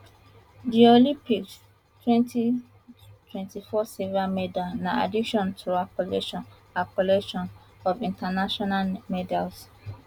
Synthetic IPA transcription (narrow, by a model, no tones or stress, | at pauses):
diolĩpik̚ | twɛ̃ntʰi | tʰwɛ̃ntifɔsɛvɹamɛdalnãa̰dikʃɔ̃ntʰuapɔlɛʃɔ̃nakɔlɛʃɔ̃n | ɔvĩntanaʃɔnalmɛdals